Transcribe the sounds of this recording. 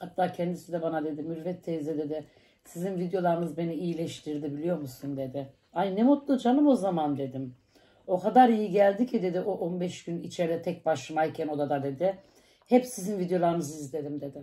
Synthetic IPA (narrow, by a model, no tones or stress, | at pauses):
hat̪ʰːaːcʰɛnd̪isid̪ɛbanad̪e̞d̪imyɾvɛt̪ʰːezɛd̪e̞d̪ɪ | sizinvid̪jo̞lˠaɾɯnɯzbe̞niijilʲɛʃt̪ʰiɾd̪ibilʲijo̞ɾmusund̪e̞d̪ɪ | annemut̪lˠud͡ʒanˠɯmo̞zamand̪e̞d̪im | o̞kʰad̪aɾijiɟælʲd̪icʰid̪e̞d̪iʔoʔonbɛʃɟ̥ynit͡ʃʰeɾɛt̪ʰɛc̚baʃlˠɯmajcʰɛno̞d̪ad̪ad̪e̞d̪ɪ | hɛpsizinvid̪jo̞lˠaɾɯnɯzɯizlʲe̞d̪imd̪e̞d̪ɪ